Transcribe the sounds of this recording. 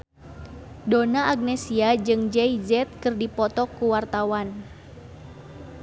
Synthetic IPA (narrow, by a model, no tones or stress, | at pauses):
donaʔaɡ̚nesiad͡ʒɨŋd͡ʒɛizɛt̪̚kɨrdipɔt̪ɔkːuwart̪awan